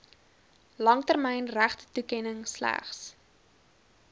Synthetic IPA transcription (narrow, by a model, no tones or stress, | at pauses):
lɐŋtærmɛjnræχtə̥tukɛnəŋslæ̰χs